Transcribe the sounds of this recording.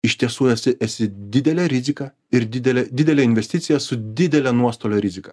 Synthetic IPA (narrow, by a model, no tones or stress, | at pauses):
ɪʃʲt̪ʲiɛsuːɛsʲɪʔɛsʲɪd̪ʲɪd̪ʲɛlʲɛɾʲɪzʲɪkɐ | ɪɾd̪ʲɪd̪ʲɛlʲɛd̪ʲɪd̪ʲɛlʲɛɪnʲʋʲɛsʲt̪ʲɪt̪sʲɪjɛsʊd̪ʲɪd̪ʲɛlʲɛnuɔst̪oːlʲoːɾʲɪzʲɪkɐ